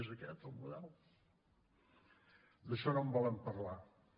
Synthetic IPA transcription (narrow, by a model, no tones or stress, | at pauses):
zəkɛt̪əlˠmuðɛlˠ | d̪əʃɔnombɔlˠəmpəɾla